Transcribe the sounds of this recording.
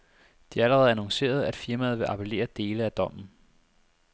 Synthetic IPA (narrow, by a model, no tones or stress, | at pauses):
d̥iææləʁɛð̩ˠænɒŋse̝̰ːɐð̞̩ˠæd̥fiɐmæð̩ˠʋe̝ʔɑ̈pʰele̝̰ːɐd̥e̝ːləæd̥ɒ̽m̰n̩